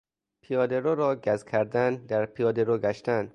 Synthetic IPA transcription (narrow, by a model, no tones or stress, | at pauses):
pʰijɒːd̪eɾoːɾɒːɡæzkʲʰæɾd̪ænd̪æɾpʰijɒːd̪eɾoːɡæʃt̪æn